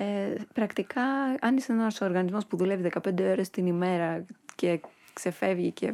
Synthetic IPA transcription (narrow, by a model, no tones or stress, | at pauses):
epɾɐkt̪ikɐɐnisenɐɐsoːɾɣɐnizmo̞spuðule̞viðe̞kɐpe̞nd̪eoɾest̪inime̞ɾɐce̞ | kse̞fe̞vʝice̞